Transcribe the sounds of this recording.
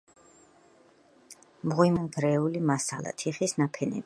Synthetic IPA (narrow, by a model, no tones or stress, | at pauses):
mʁwimunɡɾɛulimasalˠa̰t̪ʰiχisnapʰɛnɛ̰bi